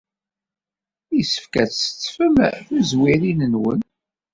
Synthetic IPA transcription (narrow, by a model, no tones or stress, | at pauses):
isə̥fkæt͡sə̥t͡sːfəmθuzwiɾinənwə̰n